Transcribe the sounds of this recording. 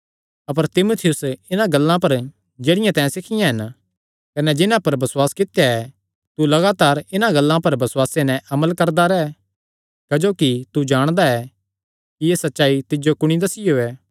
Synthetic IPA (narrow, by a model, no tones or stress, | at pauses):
ɐp̬əɾt̪ɪmot̪ʰɪjʊsɪnãɡɐlːãpɐɾ | d͡ʒeːɽɪjãt̪ɛ̃ːsɪkʰɪjãɦɐn | kɐnɛd͡ʒɪnãpɐɾbɐswaːskɪt̪jaɛ | t̪ulɐɡaːt̪aːɾɪnãɡɐlːãpɐɾbɐswaːsenɛ̃ʔɐməlkɐɾd̪aɾɛ | kɐd͡ʒoːkit̪ud͡ʒaːɽ̃d̪aɛ | kijeːsɐtːʃaːit̪ɪd͡ʒokʊɽ̃id̪ɐsɪjoɛː